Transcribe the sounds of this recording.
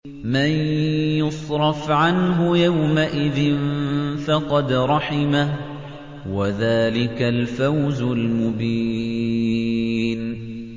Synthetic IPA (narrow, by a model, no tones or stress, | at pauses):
manjʊsˤɾˤɑfʕanɦʊjawmaʔɪðɪnfɑqɑd̪ɾˤɑħɪma | waðaːlɪkalfawzʊlmʊbiː | n